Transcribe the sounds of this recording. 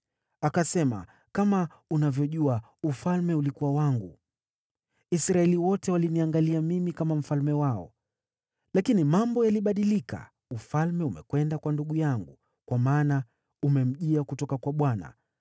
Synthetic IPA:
akasɛma̰ | kama | unavjɔʄua | ufalmɛulikuwawaŋɡu | isɾaɛliwɔtɛwaliniaŋɡaliamimikamam̩falmɛwaɔ̰ | lakinimambɔjaliɓaɗilika̰ | ufalmɛumɛ̰kwɛndakwanduɠujaŋɡu | kwamaːna | umɛm̩ʄiakutɔkakwaɓwana̰

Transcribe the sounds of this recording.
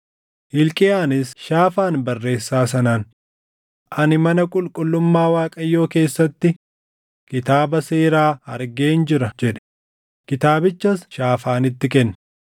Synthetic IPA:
hɪlkʼɪaːnɪsʃaːfaːnbɐrːe̞ːsːaːs̬ɐnaːn | ʔɐnɪmɐnɐkʼʊlkʼʊlːʊmːaːwaːkʼɐjːo̞ːke̞ːsːɐt̪ːɪ | kɪt̪aːbɐseːɾaːɐɾɡe̞ːnd͡ʒɪɾɐd͡ʒɛᶑɛ̥ | kɪt̪aːbɪt͡ʃːɐsʃaːfaːnɪt̪ːɪkɛnː

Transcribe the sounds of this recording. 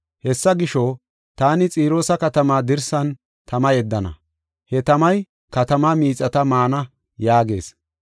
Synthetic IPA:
hɛsːɐɡɪʃo | t̪aːnɪt͡sʼiːɾo̞ːsɐkɐt̪ɐmaːd̪ɪɾsɐn | t̪ɐmɐjɛd̪ːɐnɐ̰ | hɛt̪ɐmɐj | kɐt̪ɐmamiːt͡sʼɐt̪ɐmaːnɐ | jaːɡe̞̰ːs

